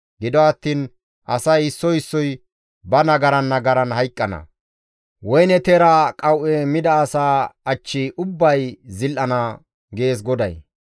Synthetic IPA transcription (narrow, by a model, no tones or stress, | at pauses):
ɡɪd̪ɔɐt̪ːiːn | ʔɐsɐjɪsːɔɪsːɔj | bɐnɐɡɐɾɐnːɐɡɐɾɐnhɐjkʼːɐnɐ̰ | wɔjnɛt̪eɾakʼɐwʔɛmɪd̪ɐːsaːɐt͡ʃːɪʔʊbːɐjzɪlʔɐnɐ | ɡe̞ːs̬ɡɔd̪ɐ̰j